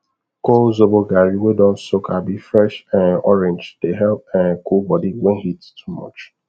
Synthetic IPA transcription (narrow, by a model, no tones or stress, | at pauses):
kolzoboɡaɾiwedɔsokʰabifɾɛʃãnɔɾẽnd͡ʒd̥eɦɛlp̚ãnkulbɔdiɡ͡beɦittʰumɔ̰t͡ʃ